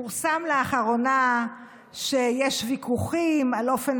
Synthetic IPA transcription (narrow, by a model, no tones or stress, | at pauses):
uʁsamleaχaʁo̞na | ʃejeʃvikʰuχimalo̞fen